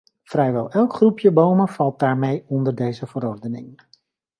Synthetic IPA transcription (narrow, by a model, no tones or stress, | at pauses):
frɛjʋɛlˠɛlˠkχrupjəbowməvɑlˠt̚d̥aːɹmejɔndəɹdejzəvəɾɔɹdənɪ̰ŋ